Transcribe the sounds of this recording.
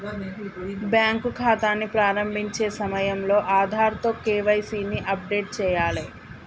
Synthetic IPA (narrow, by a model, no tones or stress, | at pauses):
bjaːŋkukʰaːt̪aːnːipɾaːɾɐmbʱiɲt͡ʃe̞ːsɐmɐjɐmlo̞ːʔaːd̪ʱaːɾt̪oːkeːʋɐjsiːniʔɐp̚ɖeːʈ̚t͡ʃɛːjaːli